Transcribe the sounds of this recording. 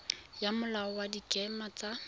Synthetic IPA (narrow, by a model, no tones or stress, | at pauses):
jamʊlaɔwadikʼɛmat͡sa